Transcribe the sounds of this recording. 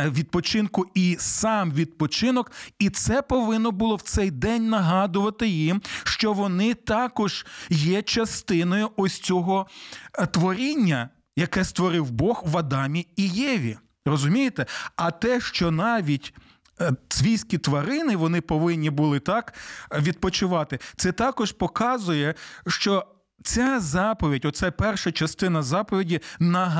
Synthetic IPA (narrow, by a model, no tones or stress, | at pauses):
ʋʲid̪̚pɔt͡ʃɪnkʊisɑmʋʲid̪̚pɔt͡ʃɪnɔkit̪sɛpɔʋɪnːɔbʊlˠɔwt̪sɛjd̪ɛnʲnɐɦɑd̪ʊʋɐt̪ɪjimʃt͡ʃɔʋɔnɪt̪ɑkɔʒ̥jɛt͡ʃɐst̪ɪnɔjʊʔɔsʲt͡sʲɔɦɔ | t̪ʋɔɾʲinʲːɐ | jɐkɛst̪ʋɔɾɪwbɔxʋɐd̪ɑmʲiijɛʋʲḭ | rɔzʊmʲijet̪ɛɐt̪ɛʃt͡ʃɔnɑʋʲit̪ʲ | sʲʋʲijsʲkʲit̪ʋɐɾɪnɪʋɔnɪpɔʋɪnʲːibʊlˠɪt̪ɑkʋʲid̪̚pɔt͡ʃʊʋɑt̪ɪt̪sɛt̪ɑkɔʒpɔkɑzʊjɛʃt͡ʃɔ | t͡sʲazɑpɔʋʲidʲɔt̪sɛpɛrʃɐt͡ʃɐst̪ɪnɐzɑpɔʋʲidʲinɐɦ